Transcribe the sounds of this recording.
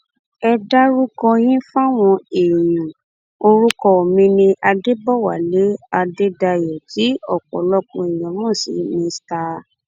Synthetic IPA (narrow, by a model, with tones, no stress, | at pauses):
ɛ˧da˦ɾu˦kɔ˧j̃ĩ˦fa˦w̃ɔ̃˧e˨jũ˨ | o˧ɾu˦kɔ˧o˨mĩ˧nĩ˧ʔa˧de˦bɔ˦˨wa̰˨le˨˦a˧de˦da˧jɔ˨ti˨˦ɔ˦˨k͡pɔ̰˨lɔ˦kũ˧i˨j̃ɔ̃˨mɔ̃˦˨sḭ˨˦mĩ˧sta˦